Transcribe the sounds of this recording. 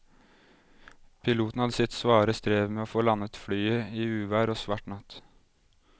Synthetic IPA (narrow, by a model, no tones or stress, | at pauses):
pʰɪluːt̪n̩hɑd̪əsɪt̪sʋɑːɾəst̪ɾeːʋmeːoːfoːlɑnət̪fɽyːəiːʉːʋæːɾoːsʋɑʈnɑt̪